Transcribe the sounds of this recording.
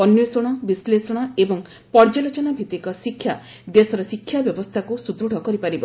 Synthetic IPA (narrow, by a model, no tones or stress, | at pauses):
ɔnjɔsɔɽ̃ɔbislesɔɽ̃ɔebɔŋ | pɔɾd͡ʒalot͡ʃɔnabʱit̪ikɔsikʰːja | d̪esɔɾɔsikʰːjabjɔbɔst̪ʰakusud̪ɾuɽʱɔkɔɾipaɾibɔ